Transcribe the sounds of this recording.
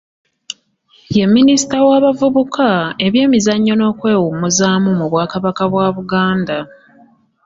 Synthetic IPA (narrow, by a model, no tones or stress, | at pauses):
je̞mːinisi̥tawaːβavuβukʰae̞βje̞ːmizaɲːo̞no̞ːkwe̞ːwumuzaːmumuβwaːkaβakaβwaːβuɡaːnda